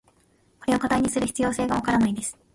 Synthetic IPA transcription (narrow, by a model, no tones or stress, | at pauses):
ko̞ɾe̞o̞kat̪aiɲ̟isɨɾɯ̟çi̥t͡sɨjo̞ːse̞ːɡaβakaɾanaid̪e̞sɨ̥